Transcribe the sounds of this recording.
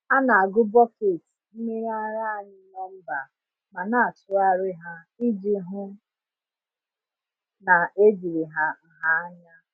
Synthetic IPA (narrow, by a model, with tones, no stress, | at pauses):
a˦na˨a˨ɡʊ˦bɔ˦ke˨tm̩˦mi˦ɾa˦ɾa˦˨ɲɪ˦ne˦m̩˦ba˨ | ma˨na˨a˨tʊ˦a˦ɾɪ˦ɦa˦ | i˦d͡ʒi˦ɦʊ˦ | na˨ʔe˦d͡ʒi˨ɾi˨ɦa˦˨ɦa˦a˦ɲa˦